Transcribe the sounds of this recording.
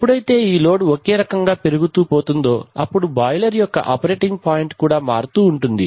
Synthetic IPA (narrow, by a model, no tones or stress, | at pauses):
ɐpːuɽɐjt̪e̞ːiːlo̞ːɖokeːɾɐkɐŋɡaːpe̞ɾuɡut̪uːpo̞ːt̪und̪o̞ːɐpːuɽubaːjlɐɾijɔkːɐ̰ʔɐpɐɾeːʈiŋɡ̚paːjiɳʈkuːɽaːmaːɾut̪uːɳʈund̪i